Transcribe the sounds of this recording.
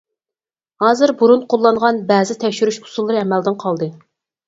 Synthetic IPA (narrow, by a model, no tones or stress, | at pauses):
hɑːzɨɾbuɾunqʰolˠːɑɴʁɑnbɛːzɪt̪ʰɛkʲʃyɾyʃhu̥sulˠːɨɾɨɛmɛld̪ɪɴqʰɑlˠd̪ɨ